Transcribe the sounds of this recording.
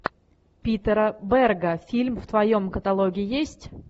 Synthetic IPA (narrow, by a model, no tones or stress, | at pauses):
pʲit̪əɾəbɛrɡəfʲilʲmft̪vɐjomkət̪ɐlˠoɡʲɪːɪjesʲtʲ